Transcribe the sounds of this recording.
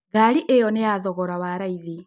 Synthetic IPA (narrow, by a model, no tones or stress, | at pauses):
ɡaːɾiʔejɔnejaðɔɣɔɾawaɾaiði